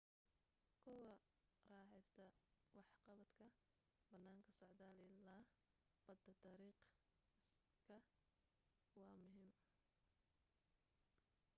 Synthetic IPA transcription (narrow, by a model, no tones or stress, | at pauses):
kʰɔwɐ | rɑːħɛjst̪ʰɐwɑħqɑβɐd̪kʰɐ | bɐnːaːŋkʰɐsɔʕd̪aːlɪlaː | b̥ɐd̪ɐd̪ɑɾiːq | kʰɐ | wɑːmʊɦɪm